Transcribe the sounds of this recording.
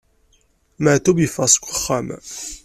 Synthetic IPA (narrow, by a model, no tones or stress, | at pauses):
məʕt̪ubjəfɑsɡʷəχːam